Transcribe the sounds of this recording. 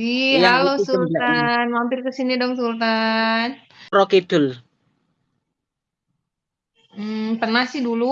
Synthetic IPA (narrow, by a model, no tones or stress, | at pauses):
iɦalosult̪anmampɪrkəsinidɔŋsult̪an | ɾɔkit̪ʊl | m̩pərnahsɪhdulu